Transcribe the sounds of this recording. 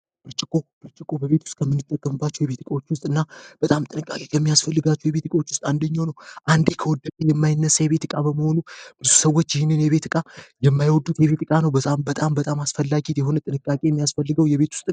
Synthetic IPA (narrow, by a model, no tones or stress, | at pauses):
b̥ɨɾt͡ʃʼɪkʼo̞b̥ɨɾt͡ʃʼɪkʼo̞bəβe̞t̪ʰu̥st̪ʼkʰəmːɨnːɨt̪ʼːəkʼːəmɨbːat͡ʃːujɛβe̞t̪ɨkʼawot͡ʃːwʊst̪ʼɨnːab̥ət̪ʼamt̪ʼɨnɨkʼakʼe̞kʰəmːijasfəlːɨɡat͡ʃːujɛβe̞t̪ɨkʼɐwot͡ʃːwʊst̪ʼand̪əɲːawnəwʔand̪e̞kʰəwɔd̪ːəkʼejɛmːajɪnːəsːjɛβe̞t̪ɨkʼabəməho̞nub̥ɨzusəwːo̞t͡ʃːjɪhɪnːɨnjɛβe̞t̪ɨkʼajɛmːajwɔd̪ːut̪jɛβe̞t̪ɨkʼanəwbət̪ʼambət̪ʼambət̪ʼamasfəlːaɡit̪jɛɦo̞nət̪ʼɨnɨkʼːakʼe̞jɛmːijasfəlːɨɡəwjɛβe̞t̪ʰu̥st̪ʼ